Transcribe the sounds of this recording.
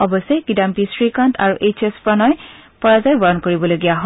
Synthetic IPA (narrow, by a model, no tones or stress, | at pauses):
ɔbɔsɛjkidampisɹikantʰa̰ɹuʔejt͡ʃespɹɔnɔjpɔɹazajbɔɹɔnkoɹibɔloɡijaɦɔ